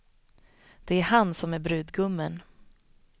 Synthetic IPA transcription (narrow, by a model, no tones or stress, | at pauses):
d̪̥ɛæɾhansɔmæɾbɾʉ̟ːd̪ɡɵmːən